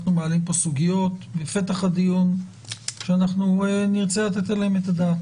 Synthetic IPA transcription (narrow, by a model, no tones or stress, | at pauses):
numealimpo̞suɡijo̞t̪befe̞t̪aχad̪ijun | ʃeanaχnueniʁt͡selat̪etelahemetadat